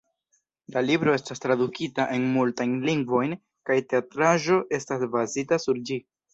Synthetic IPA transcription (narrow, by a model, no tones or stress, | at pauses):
lalibɾo̞e̞stastɾadukʰitaʔe̞nmultajnliŋɡvo̞jn | kajte̞atɾaʒo̞ʔe̞stasbazitasuɾd͡ʒi